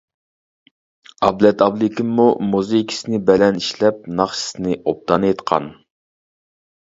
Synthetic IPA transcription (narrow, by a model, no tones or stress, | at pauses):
ɑblɛt̪ɑblˠɪkʲʰimːumuzejkʲʰi̥sɪnɪbɛlɛniʃlɛp̚nɑχʃiɨ̥sɨnɪʔop̚t̪ɑnjet̪qʰɑ̰n